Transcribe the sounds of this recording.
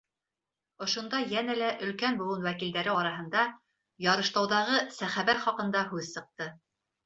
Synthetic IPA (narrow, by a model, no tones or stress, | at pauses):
ŏʃŏnd̪ɑjænælæʔɵ̆lkænbulˠunwækild̪æɾɘɑɾɑɦɤ̆nd̪ɑ | jɑɾɤ̆ʃt̪ɑwðɑʁɤsæχæβæɾχɑqɤ̆nd̪ɑɦʉðsɤ̆q̚t̪ɤ